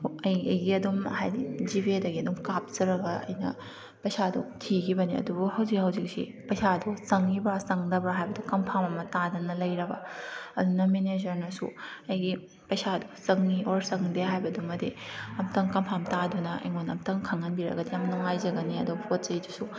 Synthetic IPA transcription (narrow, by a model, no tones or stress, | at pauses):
ɐjɐjɡiɐdumhajdid͡ʒibedɐɡiɐdumkap̚zɐɾɐɡɐɐ̰jnɐ̰ | pɐjsadṵtʰiɡʰibɐniɐ̰dubuhɐwzikhɐwzik̚sḭ | pɐjsadusɐŋːibasɐŋdɐbɾaɦajbɐdukɐmpʰamɐmɐtadɐnɐlɐjɾɐbɐ̰ɐdunɐmened͡ʒɐɾnɐsṵɐjɡi | pɐjsadusɐŋioɾsɐŋdeɦajbɐdumɐdiɐmtɐŋkɐmpʰamtadunɐʔɐ̰jŋonɐ̰mtɐŋkʰɐŋɐnbiɾɐ̰ɡɐdijamnuŋajzɐɡɐniɐ̰dupʰot̚t͡ʃɐjdusu